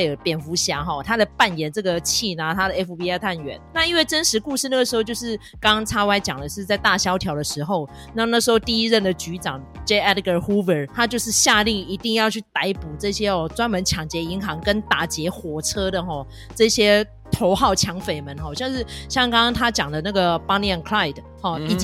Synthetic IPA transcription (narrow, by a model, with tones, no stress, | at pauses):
e˥˩pjɛ˨˩nfu˧˥ɕja˧˥xɔ˨˩t̪ʰa˥d̪ə˨pa˥˩njɛ˨˥˦nʈ͡ʂɤ˥˩ɡə˩t͡ɕʰi˥˩na˨t̪ʰa˥də˨e˥fu˨˩pi˧˥ɛ˥˧˩t̪ʰa˥˩nɥɛ̰˨˩˦nna˥˧i˥nwe˥˩ɪʈ͡ʂə˥nʂɻ̩˧˥ku˥˧ʂɻ̩˥˧na˥˩ɡə˩ʂɻ̩˧˥o˧t͡ɕjo˥˧ʊʂɻ̩˥˩ | kɑ˥ŋt͡sʰa˥wa˥˩ɪt͡ɕjɑ˨˩ŋd̪ə˦ʂɻ̩˥˧t͡sa˥˧ɪt̪a˥˩ɕjɑ˥ʊt̪ʰjɑ˧˥ʊd̪ə˨ʂɻ̩˧˥xo˥˩ʊ | na˥˧na˥˩ʂɻ̩˧˥xo˥˧ʊt̪i˥˧i˦˥ɻə˥˩nd̪ə˩t͡ɕy˧˥ʈ͡ʂɑ˨˩ŋt͡ɕe˥ɛ˥dɡə˨˩xu˥və˨˥t̪ʰa˥t͡ɕjo˥˧ʊʂɻ̩˥˧ɕja˥˧li˥˩ŋi˧˥t̪i˥˧ŋjɑ˥˧ʊt͡ɕʰy˥˩t̪a˧˥ɪpu˨˩ʈ͡ʂɤ˥˩ɕjɛ˦˥ɔ˨˩ʈ͡ʂwa˥nmə˧˦nt͡ɕʰjɑ˨˩ŋt͡ɕjɛ˧˥i˧˥ŋɦɑ˧˥ŋkə˦nt̪a˨˩t͡ɕjɛ˧˥xwɔ˨˩t͡sʰɤ˥d̪ə˨xɔ˥˩ | ʈ͡ʂɤ˥˩ɕjɛ˥ | t̪ʰo˧˥ʊxɑ˥˩ʊt͡ɕʰjɑ˧˥ŋfe˨˩ɪmə˨˦nxɔ˥˩ɕjɑ˥˧ŋʂ̬ɻ̩˥˩ɕjɑ˥˧ŋkɑ˥ŋŋt̪ʰa˥t͡ɕjɑ˨˩ŋd̪ə˦na˥˩ɡə˨˩pa˥ni˧ɛ˥˨˩nkʰla˥˩ɪd | hɔ˥˩i˨˩